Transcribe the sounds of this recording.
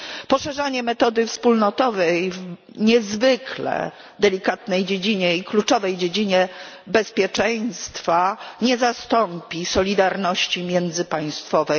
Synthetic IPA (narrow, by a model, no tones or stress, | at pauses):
pɔʂɛʐaɲɛmɛt̪ɔd̪ɘfspulnɔt̪ɔvɛjv | ɲɛzvɪklɛ̰ | d̪ɛlʲikat̪nɛjd͡ʑed͡ʑiɲɛiklut͡ʂɔvɛjd͡ʑed͡ʑiɲɛ | bɛspʲjɛt͡ʂɛj̃st̪faɲɛzast̪ɔmpʲisɔlʲid̪aɾnɔɕt͡ɕimʲjɛnd̪zɘpaj̃st̪fɔvɛj